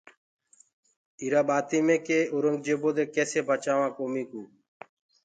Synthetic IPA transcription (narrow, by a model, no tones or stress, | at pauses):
iːɾaːɓaːt̪iːmẽːkeːoɾəŋɡd͡ʒeːboːd̪eːkeːseːbʱaːt͡ʃaːʋãːkoːmĩːkuː